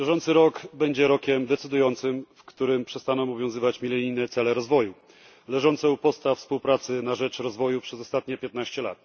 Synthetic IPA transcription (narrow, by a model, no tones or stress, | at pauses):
bʲjɛʐɔnsɘɾɔkbɛɲd͡ʑɛɾɔkʲɛmd̪ɛt̪sɘd̪ujɔnt̪sɘmfkt̪uɾɘmpʂɛst̪anɔ̃mɔvʲjɔ̃w̃zɘvat͡ɕmʲilɛɲijnɛt̪sɛlɛɾɔzvɔju | lɛʐɔnt̪sɛupɔst̪afspuwpɾat̪sɘnaʐɛt͡ʂɾɔzvɔjupʂɛzɔst̪at̪̚ɲɛpʲjɛt̪naɕt͡ɕɛla̰t̪